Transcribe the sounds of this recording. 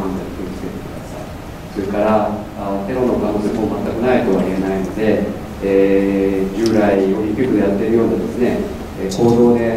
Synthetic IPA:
ãnzakʲiikʲi̥et̪e̞̥kɯ̟d̪asa̰i | so̞ɾekaɾaː | t̪e̞ɾo̞no̞kaɡosekomat̪ːakɯ̟nait̪o̞βaie̞naino̞d̪e̞ | e | d͡ʑɨːɾaiɡoɾʲĩkʲikɯ̟d̪ejat̪ːe̞ɾɯ̟jo̞ːd̪ad̪e̞sɨne | eko̞ːd̪o̞ːd̪e̞

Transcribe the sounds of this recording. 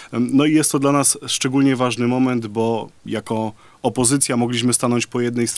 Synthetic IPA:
nɔijɛst̪ːɔd̪lanasʂt͡ʂɛɡulɲɛvaʐnɘmɔmɛnd̪bɔjakɔ | ɔpɔzɘt̪sʲjamɔɡlʲiɕ̬mɘst̪anɔɲt͡ɕpɔjɛd̪nɛjst̪

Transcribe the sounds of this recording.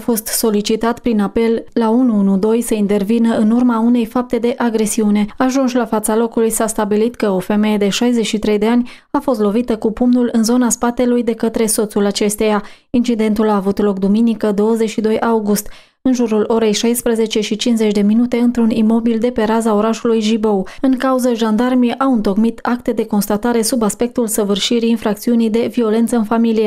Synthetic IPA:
fo̞st̪so̞lit͡ʃit̪at̪pɾinape̞lːaunuunud̪o̞jsəint̪e̞rvinəɨnurmaune̞jfap̚t̪e̞d̪e̞ʔaɡɾe̞siune̞aʒunʃlafat̪salo̞kulujsast̪abilit̪kəo̞fe̞me̞je̞d̪e̞ʃajze̞t͡ʃʃit̪ɾe̞jd̪e̞anʲ | afo̞st̪lo̞vit̪əkupumnulɨnzo̞naspat̪e̞lujd̪e̞kət̪ɾe̞so̞t̪sulat͡ʃe̞st̪eja | int͡ʃid̪e̞nt̪ulaːvut̪lo̞k̚d̪uminikəd̪o̞wəzet͡ʃʲʃid̪o̞jʔauɡust̪ | ɨnʒuɾulʔo̞ɾe̞jʃajspɾəze̞t͡ʃe̞ʃit͡ʃinze̞t͡ʃʲd̪e̞minut̪e̞ɨnt̪ɾunimo̞bild̪e̞pe̞ɾazao̞ɾaʃulujʒibo̞wɨŋkauzəʒand̪armijʔawɨnt̪o̞kmit̪ak̚t̪e̞d̪e̞ko̞nst̪at̪aɾe̞subaspe̞k̚t̪ulsəvɨrʃiɾiːnfɾak̚t̪siunijd̪e̞vio̞le̞nt̪səɨnfamilije̞

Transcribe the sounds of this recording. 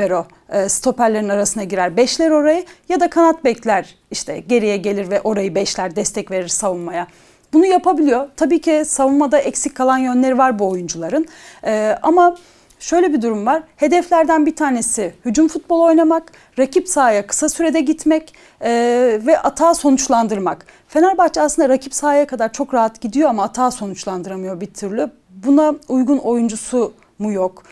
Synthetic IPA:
eɾo̞ | ɯːst̪ʰo̞pæɾlʲe̞ɾinaɾasɯnd̪aɟiɾæɾbɛʃlʲæɾo̞ɾajɯjad̪akʰanat̪̚bɛclʲæɾ | iʃt̪ʰɛ̰ɟe̞ɾijɛɟelʲiɾvɛʔo̞ɾajɯbɛʃlʲæɾd̪ɛst̪ʰɛcve̞ɾiɾ̥savunmaja | bunujapʰabilʲijo̞t̪ʰabiːcʰisavunmad̪aʔɛcsickʰːalˠanjø̞nlʲe̞ɾivaɾbuo̞jund͡ʒulˠaɾɯnɯːama | ʃø̞jlʲebid̪uɾumvaɾ̥he̞d̪ɛflʲæɾd̪ænbit̪ʰaːne̞sɪhyd͡ʒumfut̪̚bo̞lˠo̞jnamak | ɾacʰipsaːjakʰɯ̥sasyɾe̞d̪ɛɟit̪mɛcː | vɛʔat̪ʰaːso̞nut͡ʃlˠand̪ɯɾmak | fe̞naɾbat͡ʃasɯnd̪aɾacʰipsaːjakad̪aɾt͡ʃʰo̞kɾaɦat̪ɟid̪ijoamaːt̪ʰaːso̞nut͡ʃlˠand̪ɯɾamɯjo̞bit̪ʰyɾlʲɪ | bunaujɡuno̞jund͡ʒusu | mujok

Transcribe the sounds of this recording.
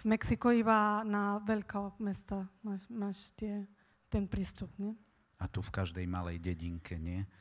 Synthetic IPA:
vmɛksikuibanaʋɛʎkɔmɛst̪amaːʃmaːʃt̪ɪɛ | t̪ɛnpɾiːst̪upɲɛ | at̪ufkaʒd̪ɛjmalɛjɟɛɟiŋkʰɛɲɪɛ

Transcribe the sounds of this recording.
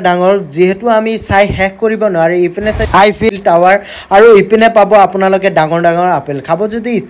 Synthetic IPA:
daŋɔɹziɦɛtʊamisajxɛk̚ʰkoɹibɔnʊwaɹɛipinɛsaajpʰiltawaɹ | aɹuipinɛpabɔapʊnalɔk̬ɛdaŋɔɹdaŋɔɹapɛlkʰabɔzodiː

